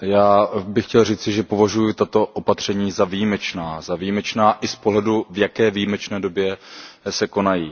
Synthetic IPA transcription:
jaːbɪxcɛlriːt͡sɪʒɛpo̞vaʒujʊt̪at̪o̞ʔopat̪r̝̥ɛɲiːzavijimɛt͡ʃnaːzavijimɛt͡ʃnaːʔɪspoɦlɛduvjakɛːvijimɛt͡ʃnɛːdo̞bjɛsɛko̞najiː

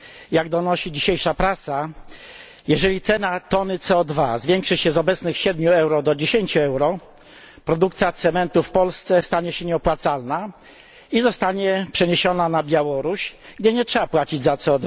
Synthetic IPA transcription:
jaɡd̪ɔnɔɕid͡ʑiɕejʂapɾasa | jɛʐɛlʲit̪sɛnat̪ɔnɘt̪sɛɔd̪vazvʲjɛŋkʂɘɕɛzɔbɛt̪snɘxɕɛd̪̚mʲuɛwɾɔd̪ɔd͡ʑeɕeɲt͡ɕuɛwɾɔ | pɾɔd̪ukt̪sʲjat̪sɛmɛnt̪ufpɔlst̪sɛst̪aɲɛɕɛɲɛɔpwat̪salna | izɔst̪aɲɛpʂɛɲeɕɔnanabʲjawɔɾuɕɡd͡ʑɛɲɛtʂɛbapwat͡ɕid͡ʑzat̪sɛɔd̪va

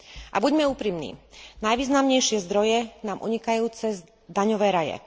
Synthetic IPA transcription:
ʔa̰buɟmɛuːpɾimnḭːnajʋiːznamɲɛjʃɪɛzd̪ɾɔjɛnaːmʔṵɲikajuːt͡sɛz | d̪aɲɔʋɛːɾajɛ̰

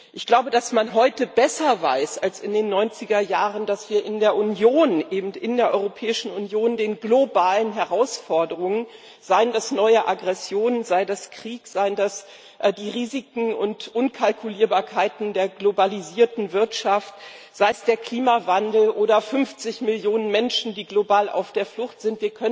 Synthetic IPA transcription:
ʔɪçɡ̥laʊbədasmanɦɔʏtəbɛsɐva̰ɪsalsɪndeːnːɔʏnt͡sɪɡɐjaːʁəndasv̥iːɐʔɪndeːɐʔʊnjoːnʔeːbm̩tɪndeːɐʔɔʏʁopʰɛːɪʃn̩ʊnjoːndeːnɡlobaːlənɦɛʁaʊsfɔɐdəʁ̞ʊŋən | z̥aɪəndasnɔʏəʔaɡʁɛsjoːnənzaɪdaskʁ̥iːkz̥aɪəndas | ʔdiːʁiːzɪkŋ̩ʊntʔʊnkʰalkʰuliːɐbaːɐkʰaɪtn̩deːɐɡlobaliziːɐtn̩vɪɐtʃaft | z̥aɪsd̥eːɐkʰl̥iːmavandl̩ʔoːɾɐfʏnft͡sɪçmɪljoːnənmɛnʃn̩diːɡlobaːlʔa̰ʊfd̥eːɐflʊχtz̥ɪntv̥iːɐkʰœn

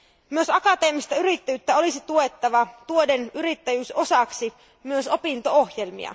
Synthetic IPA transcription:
myøsɑkɑt̪e̞ːmist̪ɑyɾit̪ːæjyt̪ːæo̞lisit̪uet̪ːɑʋɑt̪uodenyɾit̪ːæjyːso̞sɑksi | myøso̞pint̪o̞ohjelmḭɑ̰

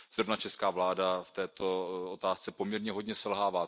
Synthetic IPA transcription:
z̥ɾovnat͡ʃɛskaːvlaːdaft̪ɛːt̪o̞ot̪aːst͡sɛpo̞mɲɛɾɲɛɦo̞dɲɛsɛlɦaːvaː

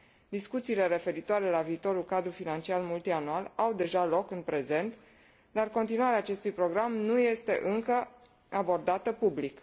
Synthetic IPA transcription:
d̪iskut̪siːle̞ɾe̞fe̞ɾit̪oaɾe̞laviːt̪o̞ɾulkad̪ɾufinant͡ʃialmult̪ianualawd̪e̞ʒalo̞kɨnpɾe̞ze̞nt̪ | d̪arko̞nt̪inuaɾeaːt͡ʃe̞st̪ujpɾo̞ɡɾamnuje̞st̪e̞̰ʔɨŋkə | abo̞rd̪at̪əpublik

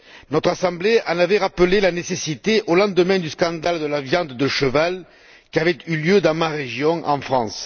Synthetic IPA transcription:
nɔt̪χasɑ̃bleɑ̃navɛʁapəlelanesesit̪eʔolɑ̃d̪əmɛ̃d̪yskɑ̃d̪ald̪əlavjɑ̃d̪d̪əʃəval | kʲiavɛt̪yljød̪ɑ̃maʁeʒjɔ̃ʔɑ̰̃fχɑ̃s

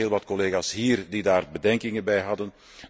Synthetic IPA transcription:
eːlˠʋɑtkɔleːɣaːsɦiːrdidaːrbədɛŋkɪŋənbɛjɦɑdən

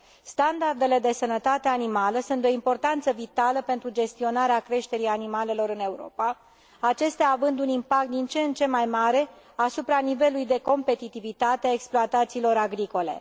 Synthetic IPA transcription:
st̪and̪ard̪e̞le̞d̪e̞sənət̪at̪eanimaləsunt̪o̞impo̞rt̪ant̪səvit̪aləpe̞nt̪ɾud͡ʒe̞st̪io̞naɾeakɾe̞ʃt̪e̞ɾianimale̞lo̞ɾɨne̞uɾo̞̰pa | at͡ʃe̞st̪eaːvɨnd̪unimpak̚t̪̚d̪int͡ʃent͡ʃe̞majmaɾe̞ | asupɾanive̞luujd̪e̞ko̞mpe̞t̪it̪ivit̪at̪eaeksploat̪at̪siːlo̞ɾaɡɾiko̞le̞̰

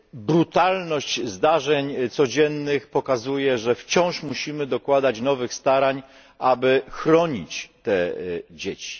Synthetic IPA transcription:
bɾut̪alnɔɕt͡ɕzd̪aʐɛɲt̪sɔd͡ʑɛnːɘxpɔkazujɛʐɛft͡ɕɔ̃w̃ʂmuɕimɘd̪ɔkwad̪at͡ɕnɔvɘxst̪aɾaɲ | ʔabɘxɾɔɲḭt͡ɕt̪ɛd͡ʑet͡ɕi̥

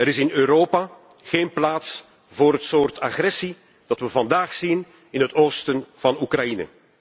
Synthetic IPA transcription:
əɾɪsɪnøːɾoːpa | ɣeːnplaːts | voːɾɦətsoːrta̰ɣrɛsi | d̥ɑtʋəvɑndaːxsin | ɪnɦətoːstənv̥ɑnukrɑjinə̰

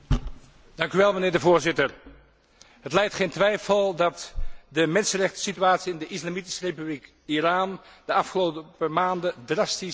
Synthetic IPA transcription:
d̥ɑŋkyʋɛlˠmənɪːɹdəvʊːɹzɪtəɹ | ɦətlɛjktχejntʋɛjfəlˠdɑtdəmɛnsənrɛχtə̥sityaːtsiɪndəʔɪslamiti̥sərejpyblik | iraːndəɑfχəlowtəpəɹmaːndədrɑsti

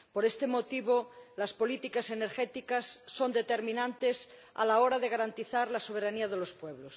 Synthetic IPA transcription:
poɾest̪emot̪iβolaspo̞lit̪ikaseneɾxet̪ikasːond̪et̪eɾmĩnãnt̪es | a̰laoɾaðeɣaɾant̪iθaɾlasoβ̞eɾaniaðelospweβ̞los

